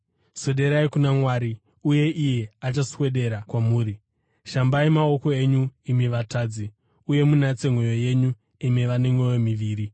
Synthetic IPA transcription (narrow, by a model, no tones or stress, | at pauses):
so̞ɗe̞ɾaikunamwaːɾi | uje̞ʔije̞at͡ʃaswe̞ɗe̞ɾakwamuːɾi | ʃambaimao̞ko̞e̞ɲuimiʋataːd͡zi | uje̞munat͡se̞ŋwo̞jo̞je̞ɲu | imiʋane̞mwe̞jomiʋiːɾi